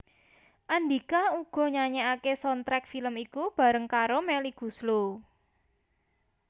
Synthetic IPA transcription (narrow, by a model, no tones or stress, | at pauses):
ʔand̪ikauɡ̥ɔ̤ɲaɲeakesɔnt̪ɾɛk̚filəmikub̥a̤ɾəŋkaɾomɛliɡ̥ṳslo